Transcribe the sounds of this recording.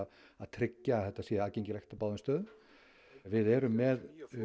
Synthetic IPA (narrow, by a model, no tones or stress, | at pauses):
aðt̪ʰɾɪcːaθɛht̪ːasɛaːcejɲcɪlɛxt̪apaːwðʏnst̪œːð | vɪðɛːɾʏmːɛð